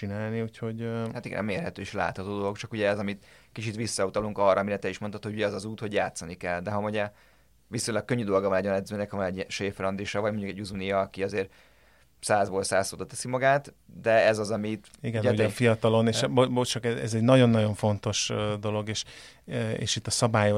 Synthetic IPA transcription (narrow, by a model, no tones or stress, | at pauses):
inaːlniucho̞ɟhat̪iɡɛ̰nɒ̰meːrɦɛt̪øːiʃla̰ːt̪hɒt̪oːd̪o̞lo̞kt͡ʃɒkuɟɛɛzɒmit̪kit͡ʃit̪ʋisːɒut̪ɒluŋkɒrːɒːmiɾɛt̪ɛiʃmont̪ot̪houɟɛɒzɒzuːt̪ho̞ɟjaːt̪sɒnikɛlːd̪ɛɦɒmuɟɛ | ʋisoj̃lɛkːøɲːyd̪o̞lɡɒvɒnɛɟɒnɛd̪zøːnɛkhɒvɒnɛɟɛnʃeːfɾɒnd̪iʃɒvɒɟmoɲɟukɛɟuzunijɒːkiɒzeːr | saːzboːlsaːsoːd̪ot̪ːɛsimɒɡaːt̪ | d̪ɛɛzɒzɒmit̪ | iɡɛnuɟ̪ɛfijɒt̪ɒlo̞neʃbobot͡ʃɒkɛɛ̰zɛɟnɒɟo̞nːɒɟo̞ɱfo̞nt̪o̞ʃd̪o̞lo̞ɡeːʃ | ḛːʃit̪ːɒsɒbaːjo